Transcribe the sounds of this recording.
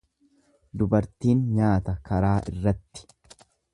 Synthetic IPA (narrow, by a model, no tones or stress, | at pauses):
d̪ʊbɐɾt̪iːnɲaːt̪ɐkɐɾaːʔɪ̰rːɐt̪ːɪ̥